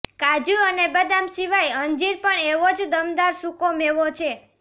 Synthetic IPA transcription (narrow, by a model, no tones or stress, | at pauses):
kad͡ʒuənebəd̪amsiʋajəɲd͡ʒiɾpəɳeʋod͡ʒd̪əmd̪aɾsukomeʋot͡ʃʰe